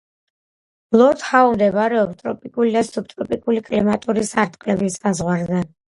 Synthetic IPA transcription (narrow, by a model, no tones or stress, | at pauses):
b̥lˠɔɾt̪haumd̪ɛbaɾɛɔpst̪ʼɾɔpʼikʼulid̪asup̚ʰt̪ʼɾɔpʼikʼulikʼlimat̪ʼuɾisaɾt̪ʼqʼlɛbisazʁwaɾzɛ